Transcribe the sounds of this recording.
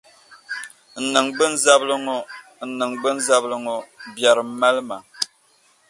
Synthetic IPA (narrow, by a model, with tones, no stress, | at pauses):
n̩˨nɨ˨ŋɡ͡bɨ˦n˦za˦blɨ˦ŋ˦ | n̩˨nɨ˨ŋɡ͡bɨ˦nza˦blɨ˦ŋo˨bja˨ɾɨ˨m˦ma˦lɨ˦ma˨